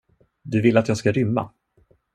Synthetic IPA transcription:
d̪ɵvɪlat̪jɑːɡskaɾʏmːa̰

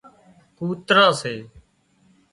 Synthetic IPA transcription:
kuːt̪ɾãːseː

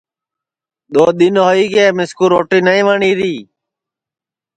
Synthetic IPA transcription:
ɗ̪oːɗ̪ɪnɦoːiːɡeːmɪskuːɾoːʈiːnaːĩːʋaːɳiːɾiː

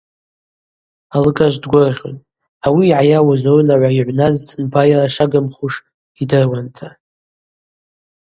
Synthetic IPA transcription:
alɨkʼaʒʷdɡʷʊrʁʲo̰n | awiːʕajawazownaʕʷaiʕʷnaztʰʼnbajaraʂaɡamχuʂ | idɨrwantʰa

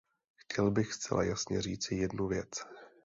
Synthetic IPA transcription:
xcɛlbɪxst͡sɛ̰lʔa̰jasɲɛr̝iːt͡sɪjɛdnuvjɛt͡s

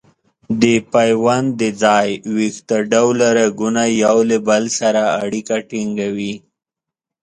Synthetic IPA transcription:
d̪əpajwand̪əd͡zɑjwixt̪aɖawlaɾaɡunajawlebalsaɾaːɽikaʈiŋɡawi

